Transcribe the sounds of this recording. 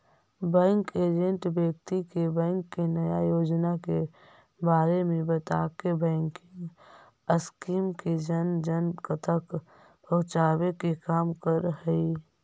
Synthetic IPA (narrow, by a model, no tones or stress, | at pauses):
bɛ̃ːŋkeːd͡ʒə̃ɳʈbjəkt̪ikebɛ̃ːŋkːenɐjajoːd͡ʒnake | baːɾemẽbɐt̪akebɛ̃ːŋkĩŋ | əskiːmked͡ʒənd͡ʒənkət̪ʰək | pɐɦʊt͡ʃaːwekekaːmkəɾhɛi